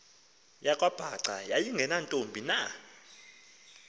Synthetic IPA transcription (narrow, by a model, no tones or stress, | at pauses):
jakʼwab̥ʱaǀajajiŋɡʱɛnantʼombʱina